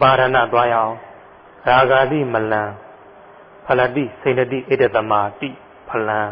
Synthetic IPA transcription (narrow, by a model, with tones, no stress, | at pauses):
pa˨ɾã˨na̰˦˨t̪wa˦jã˦˨ | ɹa˨ɡa˨d̪ḭ˦˨mə˨lã˨ | pʰə˨la˦˨t̪ḭ˦˨sẽ˨ɪ̃ndə˨t̪ḭ˦˨ʔe˦də˦˨t̪ə˨ma˨t̪ḭ˦˨ | pʰə˨lã˨